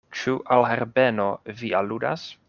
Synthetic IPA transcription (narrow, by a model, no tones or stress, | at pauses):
t͡ʃuʔalɦeɾbeno̞vialuda̰s